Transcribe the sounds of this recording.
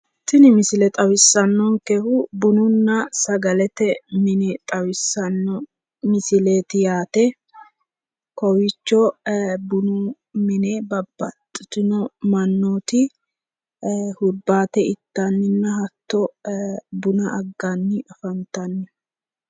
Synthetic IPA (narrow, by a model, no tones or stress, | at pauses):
t̪ːɪnɪmɪsɪlɛt̪ʼɐwɪsːɐnːɔŋkɛhʊbʊnʊnːɐsɐɡɐlɛt̪ɛmɪnɛt̪ʼɐwɪsːɐnːɔ | mɪsɪleːt̪ɪjaːt̪ɛ | kɔwɪt͡ʃːɔbʊnʊ | mɪneːbɐbːɐt̪ʼːɪt̪ɪnɔmɐnːoːt̪ɪ | hʊɾbːaːt̪ɛɪt̪ːanːɪnːɐɦɐt̪ːɔ | bʊnɐʔɐɡːanːɪʔɐfɐnt̪ɐnːɪ